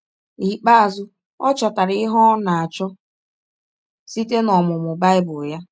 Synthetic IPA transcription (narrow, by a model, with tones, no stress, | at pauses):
i˨k͡pa˦a˨zʊ˦ | ɔ˦t͡ʃɔ˨ta˨ɾɪ˦ɪ˦ɦɔ˦na˨a˨t͡ʃɔ˦ | si˦te˦nɔ˨mʊ˨mʊ˨ba˦ɪ˦bʊ˨ja˦